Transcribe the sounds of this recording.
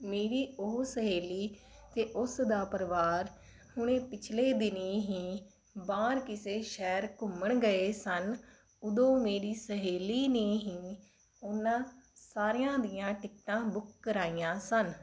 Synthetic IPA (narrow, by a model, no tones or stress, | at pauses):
meːɾiːosəɦeːliː | t̪eːʔʊsd̪aːpəɾʋaːɾ | hʊɳ̃ẽːpɪt͡ʃʰleːd̪ɪniːɦĩː | baːɾkɪseːʃɛːɾkʊməɳɡəeːsən | ʊd̪õːmeːɾiːsəɦeːliːneːɦĩː | onãːsaːɾɪjãːd̪ijãːʈɪkt̪ãːbʊk̚ʰkəɾaːiːãːsən